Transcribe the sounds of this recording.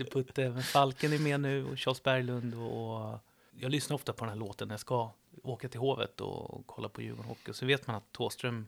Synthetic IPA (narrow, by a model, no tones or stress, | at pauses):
d̪ɛpʰɵt̪ːəmɛnfalkənæmɛnʉ̟ːɔ̰ɕɑːlsbæɾjlɵnd̪ɔː | jɑːlʏsnaɾɔft̪apʰɔd̪ɛnɦæɭoːt̪ənːaɾjaska | oːkat̪ʰɪlɦoːvə̰t̪ɔ̰kʰɔlːaɾpʰɔjʉ̟ːɡɔnhɔ̰kːɪɔsɛnveːt̪manat̪ʰːoːst̪ɾœm